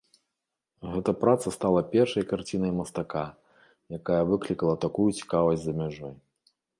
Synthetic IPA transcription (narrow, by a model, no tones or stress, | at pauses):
ɣɛt̪ɐpɾat̪sɐst̪alˠɐpʲɛrʂɐjkart͡sʲinɐjmɐst̪aka | jakajɐvɨklʲikɐlˠɐt̪akujut͡sʲi̥kavɐzʲzɐmʲaʐɔj